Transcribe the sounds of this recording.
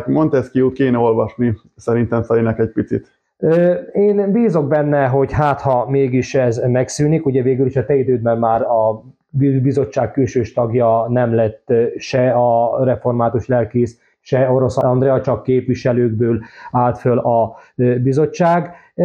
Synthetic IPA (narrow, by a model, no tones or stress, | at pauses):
mont̪ɛst̪̚kijut̪keːnɛo̞lvɒʃni | sɛɾint̪ɛmsɛlinɛkɛc̚pit̪sit̪ | øeːnbiːzo̞ɡ̚bɛnːɛɦo̞ɟɦaːt̪hɒmeːɡiʃɛzmɛksyːnikuɟɛveːɡyliʃɒt̪ɛid̪øːd̪̚mɛnmaːrɒ | bibizo̞t͡ʃːaːkkːylʃøːʃt̪ɒɡjɒnɛmlɛt̪ːʃɛɒrɛfo̞rmaːt̪uʃlɛlkeːs | ʃɛo̞ɾo̞sɒnd̪rɛɒt͡ʃɒkːeːpʋiʃɛløːɡ̚bøːlaːlt̪følɒbizo̞t͡ʃːaːɡ